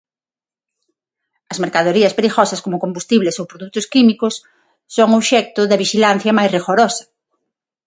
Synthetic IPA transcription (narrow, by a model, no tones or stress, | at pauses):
ɐzmeɾkaðoɾiɐspeɾiɣɔsɐskomʊkombust̪iβlesowpɾoðut̪ʊskimikʊsː | oŋoʃɛk̚t̪ʊðɐβiʃilan̟θjɐmajsriɣoɾɔsɐ̥